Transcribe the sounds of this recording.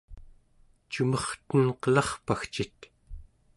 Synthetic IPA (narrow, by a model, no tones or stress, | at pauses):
t͡ʃumʌχt̪ənqəlɑχpaxt͡ʃit̪